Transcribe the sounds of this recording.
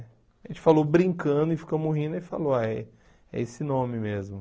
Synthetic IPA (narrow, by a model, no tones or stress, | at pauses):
aʒẽt͡ʃɪ̥falobɾĩŋkɐ̃d̪ʊɪfi̥komoɦĩd̪ʊɪfa̰loa | ɛ̰esɪnõmɪmezmʊ